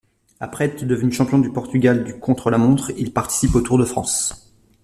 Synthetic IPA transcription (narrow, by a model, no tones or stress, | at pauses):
apχɛt̪d̪əvənyʃɑ̃pjɔ̃d̪ypɔʁt̪yɡʲald̪ykɔ̃t̪χəlamɔ̃t̪χilpaʁt̪i̥sipot̪uʁd̪əfχɑ̰̃s